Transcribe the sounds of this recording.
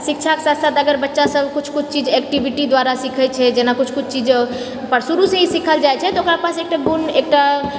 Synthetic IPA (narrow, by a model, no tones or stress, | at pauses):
sikt͡ʃʰake̥sasat̪əɡəɾbətːʃasəbkut͡ʃʰkut͡ʃʰt͡ʃid͡ʒɛk̚ʈibʱiʈid̪waɾasikʰɛt͡ʃʰɛd͡ʒenakut͡ʃʰkut͡ʃʰt͡ʃid͡ʒ | pəɾsuɾusẽɦisikʰəld͡ʒajt͡ʃʰɛt̪ɔokɾapasek̚ʈaɡunek̚ʈa